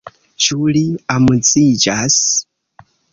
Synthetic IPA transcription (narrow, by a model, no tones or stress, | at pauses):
t͡ʃuliamut͡sid͡ʒas